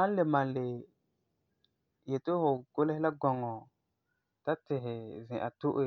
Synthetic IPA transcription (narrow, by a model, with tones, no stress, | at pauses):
ã˦le˨mã˨le˨ | je˨to˦ho˨ɡo˦le˦la˦ɡɔ˨ŋɔ˨ | ta˦te˨ɦe˨zĩ˨ʔa̰˨tu˦ʔe˦˨